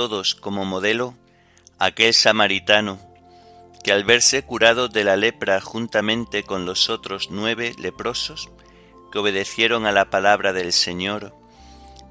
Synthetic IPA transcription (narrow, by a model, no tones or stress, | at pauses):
o̞ðo̞sko̞mo̞mo̞ð̞e̞lo̞ | ake̞lsamaɾit̪ano | kealβe̞ɾse̞kuɾað̞o̞ðe̞lale̞pɾaxunt̪amẽnt̪e̞ko̞nlo̞so̞t̪ɾo̞znwe̞β̞e̞le̞pɾo̞sos | keo̞β̞e̞ð̞e̞θje̞ɾo̞ŋalapalaβ̞ɾaðe̞lse̞ɲo̞ɾ